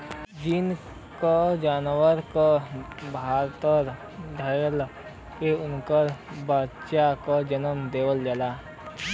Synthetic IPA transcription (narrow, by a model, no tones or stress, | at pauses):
d͡ʒɪn | kod͡ʒaːnwəɾkobʱaːɾt̪əɾ | d̪ʱəjəl | keʊnkəɾbatʃakod͡ʒənəmd̪eːwəld͡ʒəlaː